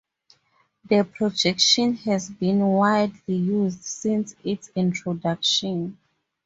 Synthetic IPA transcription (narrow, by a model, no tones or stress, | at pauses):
ðəpʰɹɔd͡ʒɛkʃɔ̃nhɛzbĩnwajdlijuzdsĩnsitsĩntʰɹɔdakʃɔ̃n